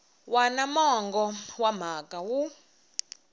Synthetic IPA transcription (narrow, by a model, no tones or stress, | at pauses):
wanamɔŋɡɔwam̤akʼawu